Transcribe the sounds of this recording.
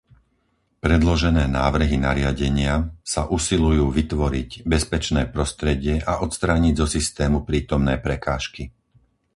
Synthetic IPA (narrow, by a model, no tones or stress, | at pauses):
pɾɛd̪lɔʒɛnɛːnaːʋr̩ɦinaɾɪaɟɛɲɪasaʔusilujuːʋit̪ʋɔɾiɟbɛspɛt͡ʃnɛːpɾɔst̪ɾɛɟɪɛʔaʔɔt̪st̪ɾaːɲiɟzɔsist̪ɛːmupɾiːt̪ɔmnɛːpɾɛkaːʃki